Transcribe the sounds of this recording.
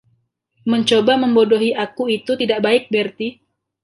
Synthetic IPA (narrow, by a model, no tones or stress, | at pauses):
məɲt͡ʃobaməmbodoɦiʔakuit̪ut̪idaʔbaɪk̚bɛrt̪i